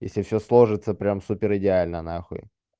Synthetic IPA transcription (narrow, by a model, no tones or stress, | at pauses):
jḛsʲlʲɪfsʲoslˠo̞ʐɨt̪səpɾʲamsupʲɪɾɨdʲɪalʲnənaxo̰j